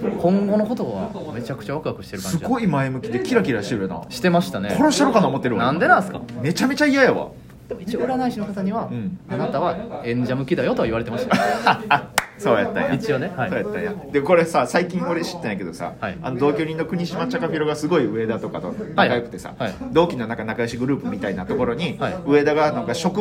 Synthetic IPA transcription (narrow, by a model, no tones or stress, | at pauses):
kʰõ̞ŋɡo̞no̞ko̞t̪o̞ɡa | me̞t͡ɕakɯ̟̥t͡ɕaβakɯakɯ̟ɕi̥t̪e̞ɾɯskãɲɨiɡo̞imaemɯ̟kʲid̪e̞kʲiɾakʲiɾaɕit̪eɾɯjona̰ɕi̥t̪e̞maɕi̥t̪ane̞ko̞ɾoɕiaɾokanaomot̪ːeɾɯnãnd̪e̞nãɰ̃sɨ̥ka̰me̞t͡ɕame̞t͡ɕaijajaβa̰ | d̪̥e̞mo̞it͡ɕioɯ̟ɾanaiɕino̞kat̪aɲ̟iβaɯ̃anat̪aβaẽ̞ɲ̟d͡ʑamɯ̟kʲid̪ajo̞t̪o̞kaiβaɾe̞t̪emaɕi̥t̪j | so̞ːja̰t̪ːã̰jat͡ɕionesoːjat̪ːã̰ja̰d̪eko̞ɾe̞sasaikʲĩŋko̞ɾe̞ɕi̥t̪ːeaike̞d̪o̞sa̰aia̰no̞d̪o̞ːkʲo̞ːɲ̟ʲĩnːo̞kɯ̟ɲ̟iɕimat͡ɕːakaɸʲiɾoɡasɨɡo̞iɯ̟e̞d̪at̪o̞kat̪onakajokɯ̟t̪e̞sa̰ad̪o̞ːkʲinonãŋkanakajoɕiɡɯ̟ɾɯ̟ːpɯ̟mʲit̪ainat̪o̞ko̞ɾo̞ɲ̟iaɯ̟e̞d̪aɡanãŋkaɕo̞kɯ